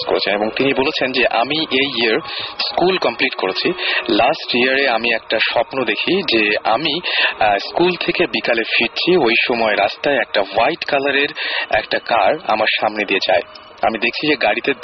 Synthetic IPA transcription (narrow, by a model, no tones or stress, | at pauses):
ko̰ɾḛt͡ɕʰeneboŋt̪inibolet͡ɕʰend͡ʑeʔa̰miʔejiaɾskulkɔmpliʈkoɾet͡ɕʰilasʈiaɾeamiɛkʈaʃɔpnod̪ekʰid͡ʑea̰miskult̪ʰekebikalefiɾt͡ɕʰiojʃɔmɔeɾast̪aeɛk̚ʈawajʈkalaɾeɾɛ̰kʈakaɾa̰maɾʃamned̪ijet͡ɕae | a̰mid̪ekʰt͡ɕʰid͡ʑeɡaɽit̪e